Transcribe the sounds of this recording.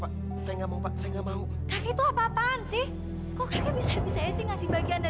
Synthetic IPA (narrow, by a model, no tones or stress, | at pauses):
pa | sajŋamaupasaɛŋamau | kakɛt̪uapapansɪh | kɔkakɛbisabisajasɪhŋasɪhbaɡianda